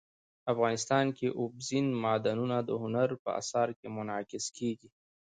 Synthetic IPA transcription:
afɣɑnɪst̪ɑnkeʔʊbzinmɑd̪anunad̪əhʊnaɾpə̰a̰sɑɾkemʊnɑkɪskeɡi

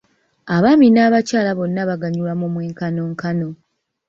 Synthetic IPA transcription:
aβaminaːβacaːlaβo̞nːaβaɡaɲulamoːmwe̞ːŋkano̞ːŋkano̞

